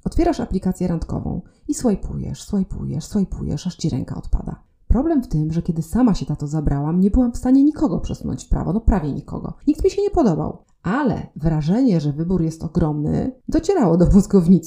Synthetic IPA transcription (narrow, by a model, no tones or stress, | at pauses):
ɔt̪fʲjɛɾaʂaplʲikat̪sʲjɛɾant̪kɔ̰vɔ̰̃w̃iswajpʰujɛ̰ʂswajpʰṵjɛ̰ʂswajpʰujɛ̰ʂaʂt͡ɕiɾɛ̰ŋka̰ɔt̪pa̰d̪a̰ | pɾɔblɛmft̪ɘmʐɛkʲɛd̪ɘsamaɕɛt̪at̪ɔzabɾʔawamɲɛbɘwamfst̪aɲɛɲikɔɡɔpʂɛsunɔ̰ɲt͡ɕpɾa̰vɔnɔpɾavʲjɛɲikɔ̰ɡɔ̰ɲikt̪mʲiɕɛɲɛpɔd̪ɔba̰w | ʔalɛ̰vɾaʐɛɲɛʐɛvɘbuɾjɛst̪ɔɡɾɔmnɘ̰d̪ɔt͡ɕɛɾawɔd̪ɔvuzɡɔvɲit̪s